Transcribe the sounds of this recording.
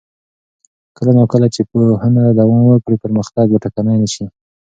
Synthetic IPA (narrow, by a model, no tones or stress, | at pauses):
kəlanakəlat͡ʃepohanad̪awanwəkɽipəɾməxt̪ɑɡ̚baʈakanajnəʃi